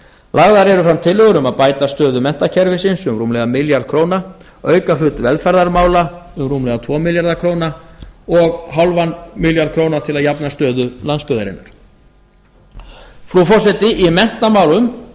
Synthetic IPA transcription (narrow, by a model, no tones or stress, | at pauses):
laɣðaɾɛɾʏfɾamt̪ʰɪlʏɣʏɾʏmaðpaːjt̪ast̪œːðʏmɛn̥t̪acʰɛɾvɪsɪnsʏmruːmlɛɣamɪljaɾð̥kʰɾoːwna | œːɥkafʏt̪vɛlfɛɾðaɾmaːwlaʏmruːmlɛɣat̪ʰvɔːmɪljaɾðakʰɾownaɔɣɦawlvanmɪljaɾðkʰɾoːwnat̪ʰɪlaðjapnast̪œːðʏlanspʏðaɾɪ̰nːaɾ̥ | fɾufɔs̬ɛt̪ɪʔimɛn̥t̪amaːwlʏm